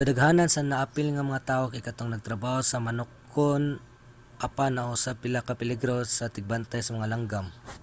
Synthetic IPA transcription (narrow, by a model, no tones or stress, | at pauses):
kɐd̪ɐɡhaːnɐnsɐnɐʔapɪlŋɐmɐŋat̪aːʔokɐjkɐt̪oŋnɐɡ̚t̪ɾɐbaːhosɐmɐnokː | on | ʔapanɐʔʊsab̚pɪlakɐpɪlɪɡɾosɐt̪ɪɡ̚bant̪ajsɐmɐŋalɐŋɡam